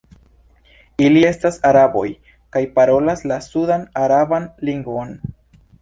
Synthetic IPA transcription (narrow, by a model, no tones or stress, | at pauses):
ilie̞stasaɾabo̞̰j | kajpaɾo̞laslasudanaɾabanliŋɡo̞n